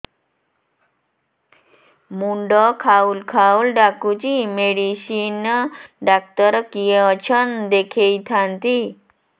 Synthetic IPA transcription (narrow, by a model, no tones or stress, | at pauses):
muɳɖɔkʰaulkʰaulɖakut͡ɕimeɽiɕinɖak̚t̪əɾkijeət͡ɕʰənd̪ekʰejt̪ʰãnt̪i